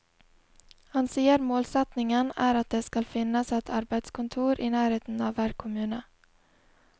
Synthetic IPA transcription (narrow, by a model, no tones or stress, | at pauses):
hansiːəɾmoːlsɛt̪nɪŋənæːɾat̪̚d̪ɛskalfɪnːasɛt̪ʰaɾbet̪skʰɔnt̪ʰuːɾʔɪnæːɾheːt̪ənɑvːæɾkʰʊmʉːnə